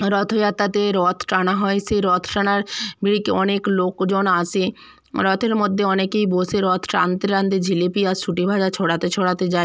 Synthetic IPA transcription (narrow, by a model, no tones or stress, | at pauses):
ɾɔt̪ʰojat̪ːat̪eɾɔt̪ʰʈanaɦɔeseɾɔt̪ʰʈanaɾbiɽikeɔneklokd͡ʑɔnasʰe | ɾɔt̪ʰeɾmod̪ʱːeɔnekejbosʰeɾɔt̪ʰʈant̪eɾand̪ed͡ʑʱilepijasuʈibʱad͡ʑat͡ɕʰoɽat̪et͡ɕʰoɽat̪ed͡ʑae